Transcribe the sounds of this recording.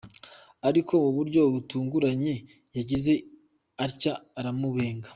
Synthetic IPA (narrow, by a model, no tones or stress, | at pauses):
aɾiko̞muβuɾɟo̞βutuːŋɡuɾaɲe̞ | jaɟize̞ | aɾcaːɾamuβe̞ːŋɡa